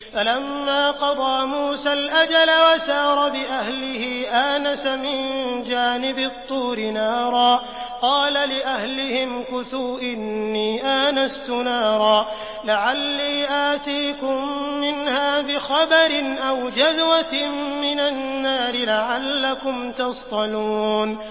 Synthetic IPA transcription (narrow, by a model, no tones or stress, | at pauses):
falamːaːqɑd̪ˤɑːmuːsalʔad͡ʒalawasɑːɾˤɑbɪʔahlɪhiːʔaːnasamɪnd͡ʒaːnɪbɪt̪ˤːuːɾɪnɑːɾˤɑː | qɑːlalɪʔahlɪhɪmkʊθuːʔɪnːiːʔaːnast̪ʊnɑːɾˤɑː | laʕalːiːʔaːt̪iːkʊmːɪnhaːbɪxɑbɑɾɪnʔawd͡ʒaðwat̪mɪnanːaːɾɪlaʕalːakʊmt̪ɑst̪ˤɑnuːn